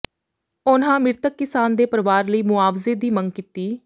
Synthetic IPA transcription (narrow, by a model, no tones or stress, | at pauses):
ʊnɦãːmɪɾt̪əkːɪsaːnd̪eːpəɾʋaːɾləiːmʊaːʋzeːd̪iːməŋɡkɪt̪iː